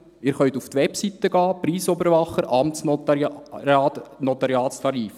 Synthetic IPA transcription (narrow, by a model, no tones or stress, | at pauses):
ɪːɾχœnt̪uft̪ʋɛpsit̪əɡɑːpɾiːsɔbəɾʋɑχəɾʔɑmts | tnɔt̪ɑɾjɑːst̪ʰɑɾiːf